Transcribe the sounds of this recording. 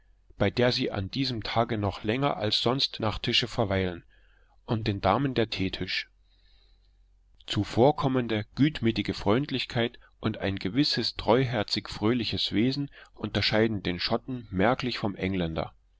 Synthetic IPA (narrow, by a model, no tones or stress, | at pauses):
b̥aɪdeːɐziːʔa̰nd̥iːzəmtʰaːɡənɔχlɛŋɐ̰ʔalsz̥ɔnstnaːχtʰɪʃəfɛɐvaɪlən | ʔʊntd̥eːndaːməndeːɐtʰeːtʰɪʃ | t͡sufoːɐkʰɔməndəɡ̥yːtmyːtɪɡəfʁ̥ɔʏntlɪçkʰaɪt | ʔʊntaɪnɡəvɪsəstʁ̥ɔʏɦɛɐt͡sɪkfʁ̥øːlɪçəsv̥eːzn̩ʔʊntɐʃaɪdn̩deːnʃɔtn̩mɛɐklɪçfɔmʔɛŋlɛndɐ̰